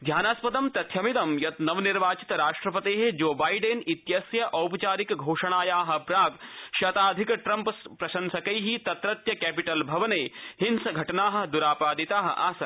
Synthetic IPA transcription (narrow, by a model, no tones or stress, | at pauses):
d̪ʱjaːnaːspɐd̪ɐmt̪ɐt̪ʰjɐmid̪ɐmjɐt̪nɐʋniɾʋaːt͡ʃi̥t̪ɾaːʂʈɾɐpɐt̪eːɦed͡ʒoːbaːjɖenit̪jɐsjɐʔɐwpɐt͡ʃaːɾikɡʱoːʂɐɳ̃aːjaːɦɐ̆pɾaːɡʃɐt̪aːd̪ʱikʈɾɐmpspɾɐʃɐnsɐkɐjɦit̪ɐt̪ɾɐt̪jɐkɛːpiʈɐlbʱɐʋɐneːhinsɐɡʱɐʈɐnaːɦɐ̆d̪uɾaːpaːd̪it̪aːɦɐ̰̆ʔaːsɐ